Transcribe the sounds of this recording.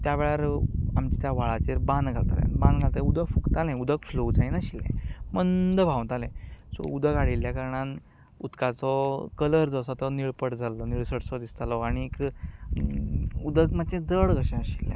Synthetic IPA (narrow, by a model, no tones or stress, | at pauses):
t̪jaʋeɭaɾamt͡ɕi̥t̪jaʋaɭat͡ɕeɾbãnd̪ɡʱalt̪a̰lɛ̰band̪ɡʱalt̪aud̪əɡfukt̪alɛ̃ud̪ʱəkflod͡zaj̃naɕilːɛ̰̃mənd̪bʱawt̪alɛ̃sɔ̰ud̪əkaɽilːjakəɾɳ̃ãn | ut̪kat͡sɔkələɾd͡zɔsɔt̪ɔniɭpəʈd͡zalɔniɭsəɽsɔd̪ist̪alɔaɽ̃iːk | ud̪əkməd̪t͡ɕẽd͡zəɭɡəɕɛ̃əɕilːɛ̰̃